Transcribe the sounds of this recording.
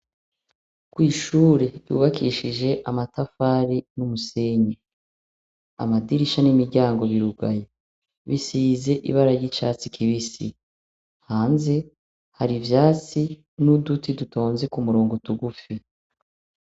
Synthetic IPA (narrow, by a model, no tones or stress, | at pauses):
kwiːʃuːɾe̞jṵːβakiːʃiʒe̞ʔamatafaːɾinumuse̞ɲe | a̰madiɾiʃanimiɾɟaːŋɡo̞βiɾuɡaje | βisiːze̞ʔḭβaɾaɾjit͡ʃaːt͡sikʰiβisḭ | haːnze̞ | haɾivjaːt͡si | nudutiduto̞ːnze̞kumuɾoːŋɡotuɡufi